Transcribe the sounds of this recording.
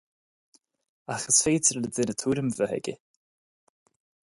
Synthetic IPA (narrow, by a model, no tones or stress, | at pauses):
axəsfeːtəɾləd̪ɪnət̪ʰuːɾəmvəhɛ̰ɡʲə̰